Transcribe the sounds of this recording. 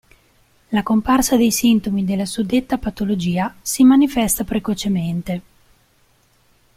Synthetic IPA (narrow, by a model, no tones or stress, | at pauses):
lakomparsad̪ejsint̪omid̪elːasud̪et̪ːapat̪olod͡ʒiːasimanifɛst̪apɾekot͡ʃement̪e